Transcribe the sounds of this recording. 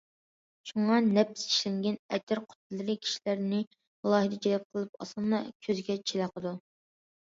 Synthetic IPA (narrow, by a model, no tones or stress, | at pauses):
ʃuŋɑnɛpsi̥ʃlɛŋɡʲɛnɛt̪ʰɪɾqʰʊ̥t̪̚ʰɨlˠːɨɾɨkʲʰi̥ʃilæɾnɪ | mlˠɑːhɨd̪ɨd͡ʒʰɛlɛp̚qʰəlˠɨp̚ɑ̰sɑnd̪ɑkʲʰøzɡʲɛt͡ʃʰelæqʰəd̪u